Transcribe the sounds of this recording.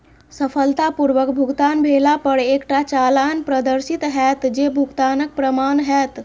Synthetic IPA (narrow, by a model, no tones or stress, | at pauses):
səfəlt̪apuɾʋəkbʱuɡt̪anbʱelapəɽekʈat͡ɕalanpɾəd̪əɾsit̪ɦɛt̪d͡ʑebʱuɡt̪anək̚pɾəmanɦɛt̪